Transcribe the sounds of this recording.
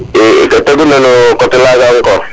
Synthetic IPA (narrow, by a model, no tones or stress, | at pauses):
ɪ̰kataɡunanokɔtɪlaɡaŋ̩kɔ